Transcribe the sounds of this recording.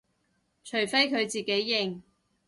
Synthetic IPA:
t͡ʃʰɵ˨˩ɥfe˥jkʰɵ˨˧ɥt͡siː˨˩ke˨˥jːɪ˨ŋ

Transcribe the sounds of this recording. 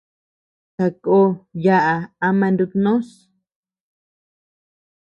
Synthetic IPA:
ta˧ko˦ja˦ʔa˧a˧mã˧nd̪u˧t̪nõ˦s

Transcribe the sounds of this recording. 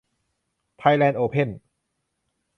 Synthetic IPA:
p̪ʰa˧jlɛː˧nʔoː˧pʰe˥˩n

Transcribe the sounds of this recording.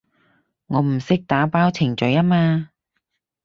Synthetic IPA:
ŋɔː˨˧m̩˨˩sɪ˥k̚t̪aː˨˥paː˥wt͡sʰɪ˨˩ŋt͡ʃɵ˨˧jaː˥maː˧

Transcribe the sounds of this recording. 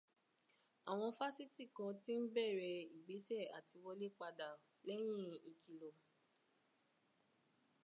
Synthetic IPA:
a̰˨w̃ɔ̃˧fa˦si˦ti˦˨kã˧ti˦n̩˦bɛ˦˨ɾɛ˧i˨ɡ͡be˨˦sɛ˦˨a̰˨ti˧wɔ˧le˦k͡pa˧da˨ | lɛ˦j̃ĩ˦˨i˨ki˨lo˨

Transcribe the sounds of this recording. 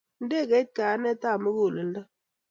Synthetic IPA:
n̩˦de˦˨ɡe˦t̚ka˨a˦ne˦ta˦˨mə˦ɡu˦˨lɨ˨n̩˦də˦

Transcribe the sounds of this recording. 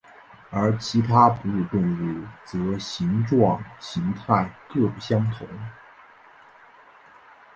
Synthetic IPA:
ə˞˧˥t͡ɕʰi˧˥t̪ʰa˥pu˧˥ɻu˥˧t̪ʊ˥˧ŋu˥˩t͡sɤ˧˥ɕi˧˥ŋʈ͡ʂwɑ˥˩ŋɕi˧˥ŋt̪ʰa˥˩ɪkɤ˥˩ɡə˨˩ɕjɑ˥ŋt̪ʰʊ˧˥ŋ

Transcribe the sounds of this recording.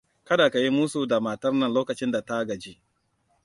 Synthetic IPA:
kɐ˦da˨ka˨ji˦muː˦su˦˨da˨maː˨tɐ˦rnɐ˦nloː˦kɐ˨t͡ʃɪ˦nda˨ta˦ɡɐ˨d͡ʒi˦ʔ

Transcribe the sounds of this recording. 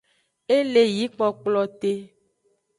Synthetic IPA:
e˦le˨ji˨˦k͡pɔ˨k͡plɔ˨t̪e˦

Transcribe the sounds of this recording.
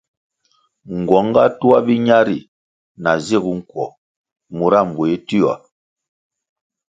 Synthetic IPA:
ŋ˨ɡwɔ˨˦ŋ˦ɡa˦tu˦a˦bi˦ɲa˦ɾi˨ | na˨ze˦˨ɡu˦ŋ̩˨kwɔ˨ | mu˨ɾa˦˨m˨bo˨e˦ti˦a̰˨

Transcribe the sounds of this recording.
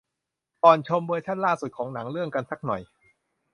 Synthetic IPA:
ʔɔː˨˩nt͡ɕʰo˧mbuː˧jt͡ɕʰa˥˩nlaː˥˩su˨˩t̪̚kʰɔː˩˦ŋna˩˦ŋɾɯ˥˩əŋka˧nsa˦˥˩k̚nɔ̰˨˩j

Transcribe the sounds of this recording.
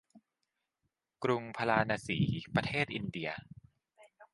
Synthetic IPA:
kɾu˧ŋpʰa˧laː˧naː˧siː˩˦pɾa˧t̪ʰeː˥˩t̪̚ʔi˧ndi˧ɐ

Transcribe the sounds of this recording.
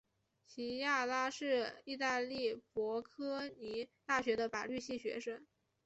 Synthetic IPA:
t͡ɕʰi˧˥ja˥˧la˥ʂɻ̩˥˧i˥˧t̪a˥˧li˥˩pwɔ˧˥kʰɤ˥ni˧˥t̪a˥˩ɕɥɛ˧˥d̪ə˧pa˨˩ly˥˧ɕi˥˩ɕɥɛ̰˧˥ʂə˥ŋ

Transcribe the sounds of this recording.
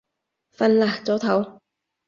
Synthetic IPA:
fɐ˧˥nlaː˨˩k̚t͡sɔː˨˥t̪ʰɐ˨˥w

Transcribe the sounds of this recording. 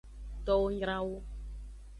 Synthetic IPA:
t̪ɔ˦wo˦ɲɾ̃ã˦wo˦

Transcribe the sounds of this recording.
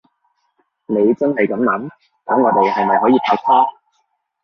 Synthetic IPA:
ne˨˧jt͡sɐ˥nhɐ˨jkɐ˨˥mlɐ˨˥m | k̪ɔ˨˥ŋɔː˨˧t̪e˨jɦɐ˨jmɐ˨˩jɦɔː˨˥jiː˨˧pʰaː˨˥w̚t͡sʰaː˥

